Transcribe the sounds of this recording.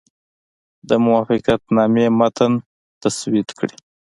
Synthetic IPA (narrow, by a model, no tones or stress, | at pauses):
d̪əmʊwɑfɪqat̪nɑmemat̪ən | t̪aswɪt̪kɽi